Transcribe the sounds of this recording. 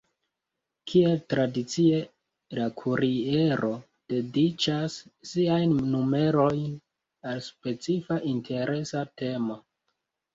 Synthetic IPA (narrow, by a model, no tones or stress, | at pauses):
kʰie̞ltɾadit͡sie̞ | lakʰuɾie̞ɾʔo̞ | d̥e̞dit͡ʃasːiajnːume̞ɾo̞jn | alspe̞t͡sifaʔintʰe̞ɾʔe̞sate̞mo